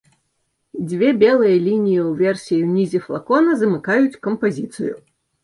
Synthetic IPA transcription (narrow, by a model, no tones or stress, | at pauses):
d͡zʲvʲɛbʲɛlˠɨjɐlʲinʲijiwvʲɛrsʲijiwnʲizʲiflˠa̰kɔnɐzɐmɨkajut͡sʲkɐmpazʲit̪sɨ̰jṵ